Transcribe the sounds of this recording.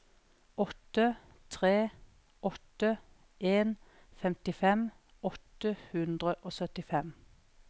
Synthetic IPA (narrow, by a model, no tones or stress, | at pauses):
ɔt̪ːə | t̪ʰʁeː | ʔɔt̪ə | ʔeːn | fɛmt̪ɪfɛm | ɔt̪əhʉnd̪ʁəʔoːsœt̪ɪfɛm